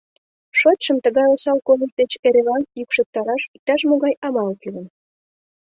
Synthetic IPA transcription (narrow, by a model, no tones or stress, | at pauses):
ʃot̪ʃəmt̪əɣɑjosɑlkolək̚d̪et͡ɕeɾelɑnjykʃek̚t̪ɑɾɑʃik̚t̪ɑʃmoɣɑjɑmɑlkylən